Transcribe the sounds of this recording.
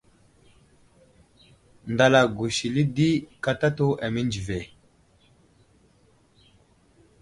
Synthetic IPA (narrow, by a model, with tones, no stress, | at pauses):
nda˨la˨ɡu˨si˨li˦di˦ka˦ta˦to˦ʔa˨mi˦nd͡ʒi˨ve˨